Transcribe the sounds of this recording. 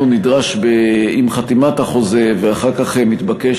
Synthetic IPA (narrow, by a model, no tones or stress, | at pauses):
unid̪ʁaʃbeimχat̪imathaχo̞ze̞veaχaʁkaχemit̪bake